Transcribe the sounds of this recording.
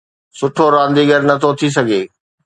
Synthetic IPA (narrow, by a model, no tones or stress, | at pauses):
sʊʈʰoɾãːnd̪iɡʱɐɾnɐt̪ʰot̪ʰis̬ɐɡʱeː